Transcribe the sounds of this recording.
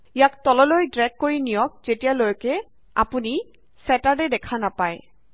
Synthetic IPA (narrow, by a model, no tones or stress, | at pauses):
ijak̚tɔlɔlojdɹɛɡ̚kːoɹinijɔk̚zetijalojkɛ | a̰puni | sɛtadɛdɛkʰanapaj